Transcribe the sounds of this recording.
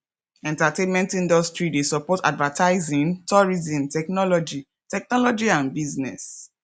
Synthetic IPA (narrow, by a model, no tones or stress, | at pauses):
ɛ̃ntatẽnmɛ̃ntĩndɔstɹidesɔpɔta̰dvatʰaɪzĩntʰɔɹizĩmtɛknɔlɔd͡ʒi | tɛk̚nɔlɔd͡ʒiãnbiznɛ̰s